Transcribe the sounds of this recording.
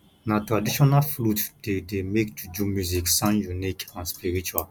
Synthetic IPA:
natɾadiʃɔnalflutd̥edemekd͡ʒud͡ʒumjuziksãnjunikãnspiɾit͡ʃal

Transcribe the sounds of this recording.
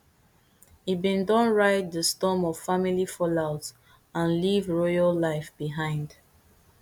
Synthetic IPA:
ibĩndɔ̃nɹaɪtðəstɔmɔv̥familifɔlaʊt | ãnlivɹɔɪɔllaɪfb̥iɦãɪ̃nd

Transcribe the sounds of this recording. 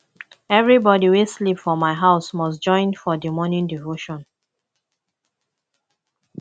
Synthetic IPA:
ɛvɹibɔdiwislipfɔmaɪɦaʊsmɔsd͡ʒɔ̃ɪ̃nfɔdimɔnĩndivoʃɔ̃n

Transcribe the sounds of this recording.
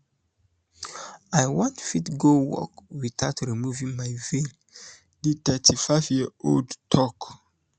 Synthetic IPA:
ajwãnfitɡowɔ̰kwiθaʊtɹimuvĩŋmajvel | ditɛtʰifaɪvjio̰ldtʰɔk

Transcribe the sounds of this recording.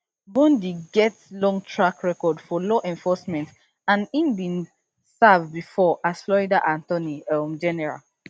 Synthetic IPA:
mɔ̃ndiɡɛtlɔ̃ŋtʰɹakɹɛkɔdfɔlɔʔɛ̃nfɔsmɛ̃nt | ãnĩmbĩn | savbifɔʔaslɔidaʔãntɔniʌmd͡ʒɛnɛɹa̰l

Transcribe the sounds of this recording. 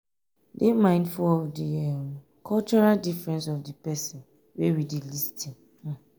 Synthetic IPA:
demãɪ̃ndfuɔdiɛm | kʰɔlt͡ʃɔɹaldifɹɛ̃nsɔfdipɛsĩn | wewidilistʰĩñ̩

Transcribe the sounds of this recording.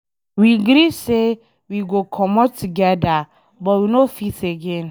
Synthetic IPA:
wiɡɾise | wiɡokʰɔmɔtʰuɡɛda | bɔtwinofiteɡẽn

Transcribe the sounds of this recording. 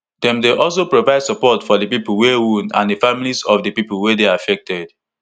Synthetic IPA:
d̥ɛ̃mdeʔɔlˠs̬opɹovaɪdsɔpɔtfɔdəpipl̩wewũnã̰ndəfamilisɔfdəpipulwedeafɛk̚tɛd̥

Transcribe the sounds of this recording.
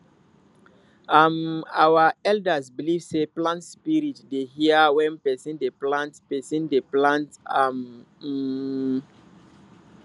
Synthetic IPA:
amawaɛldəzbilivseplãntspiɹitdehiəwɛ̃npɛsĩndeplãntpɛsĩndeplãntam̩

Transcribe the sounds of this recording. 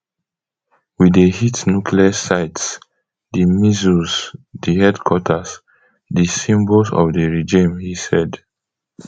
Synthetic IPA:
widəhitnukʰliəsaɪts | dəmizusdihɛdkʰwɔtʰəs | disĩmbosɔ̰vdəɹid͡ʒĩmhisɛd

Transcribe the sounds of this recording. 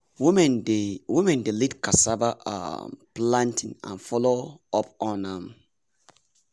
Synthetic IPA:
mnwimɛ̃ndelitkasabaʔa̰plãntʰĩŋã̰nfɔloɔpɔ̃nãm

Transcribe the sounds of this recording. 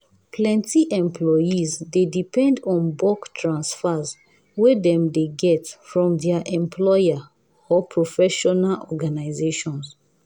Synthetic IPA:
pʰlɛ̃ntiʔɛ̃mpʰlɔjizdedipɛ̃ndɔ̃nbɔktʰɹãnsfaz | wɛdɛ̃mdeɡɛtfɹɔ̃mdɛaʔɛ̃mpʰlɔja | ɔpʰɹɔfɛʃɔnalʔɔ̰ɡanaɪzeʃɔ̃ns

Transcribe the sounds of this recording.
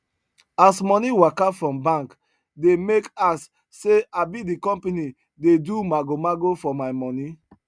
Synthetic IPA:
asmɔniwakafɹɔ̃mbãŋk | demekasː | eabidikɔ̃mpeni | dedumaɡomaɡofɔmaɪmɔni

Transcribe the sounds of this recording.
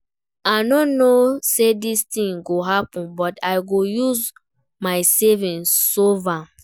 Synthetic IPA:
aɪnɔnosedistĩŋɡoɦapɔ̃nbɔtaɪɡojuz | maɪsevĩnsova

